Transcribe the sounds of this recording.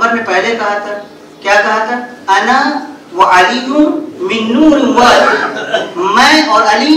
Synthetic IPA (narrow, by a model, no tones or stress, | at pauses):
bəɾmẽpɛɦlekɐɦat̪ʰa | kjaːkɐɦat̪ʰa | ɐna | waʔaliːkʊmɪ̃nːuːɾɪnwaːɾ | mɛ̃ɔːɾɐli